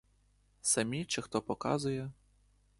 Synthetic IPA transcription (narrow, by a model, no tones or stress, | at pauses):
sɐmʲit͡ʃɪxt̪ɔpɔkɑ̰zʊjɛ